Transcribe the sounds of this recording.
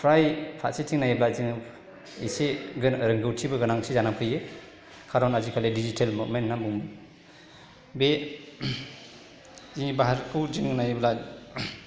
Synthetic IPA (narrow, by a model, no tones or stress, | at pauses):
pʰɾajpʰa̰setʰiŋnajblaziŋ | iseɡnɾɯŋɡɯwtʰibɯɡɯnaŋsezanapʰɯje | kʰaɾɔnazikʰaledid͡ʒitʰelmumentnamuŋmɯ | be | ibaɦaɾkʰɯwd͡ʒiŋnajbla